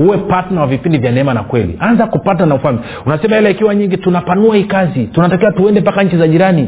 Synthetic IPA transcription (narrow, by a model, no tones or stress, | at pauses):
huwɛpatnawavipindivjanɛɛmana̰kwɛlḭʔanzakupat̬nanaufalmi | unasɛmahɛlaikiwaɲiŋɡitunapanuaikazitunatakiwatuɛndɛpakaɲ̩t͡ʃizaʄiɾani